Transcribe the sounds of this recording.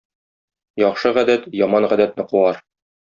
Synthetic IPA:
jɒχʃɤʁæd̪æt̪jɒmɑnʁæd̪æt̪nɘquɑɾ

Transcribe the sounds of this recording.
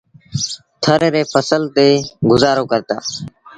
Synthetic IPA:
t̪ʰəɾeːɾeːpʰəsəlt̪eːɡʊzaːɾoːkəɾt̪a̰ː

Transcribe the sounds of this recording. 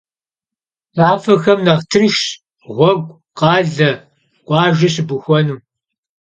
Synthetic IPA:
zaːfɐxɐmnɐʁtʰɨrʃ | ʁʷɔɡʷ | qɑːɮɐ | qʷʼɑːʒɐɕbuxʷɔnuː

